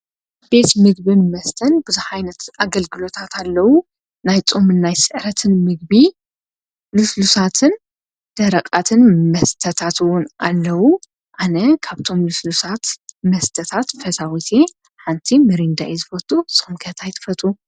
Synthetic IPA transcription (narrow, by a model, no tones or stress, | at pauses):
be̞t̪mɨɡ̚bɨnmɐst̪ʰɐnbɨzuħajnɐt̪ʔaɡɐlɡɨlo̞t̪ʰat̪ʰalːɐwu | najt͡sʼomɨnːajsɨʕɾɐt̪ʰɨnmɨɡ̚bi | lɨslusat̪ʰɨn | d̪̥ɐɾɐkʼat̪ʰɨnmɐst̪ʰɐt̪ʰat̪ɨwʊnʔalːɐwu | ʔanɐkʰaβt̪ʰo̞mlɨslusat̪mɐst̪ʰɐt̪ʰat̪fɐsawit̪ʰe̞ | ħant̪ʰimɨɾind̪a̰ʔezɨfɐt̪ʼusɨxumkʰɐt̪ʰajt̪ʰɨ̥fɐt̪ʼu